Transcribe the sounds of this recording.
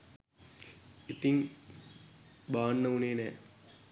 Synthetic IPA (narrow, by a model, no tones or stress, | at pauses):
it̪iŋ | baːnːəuneːnɛː